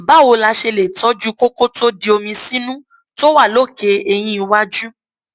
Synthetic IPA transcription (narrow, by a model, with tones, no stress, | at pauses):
ba˨˦˨wo˧la˧ʃe˧le˨tɔ˦d͡ʒu˦ko˦ko˦to˦di˧o˧mĩ˧sĩ˦nũ˦ | to˦wa˦˨lo˦˨ke˧˦e˧j̃ĩ˦i˧wa˦d͡ʒu˦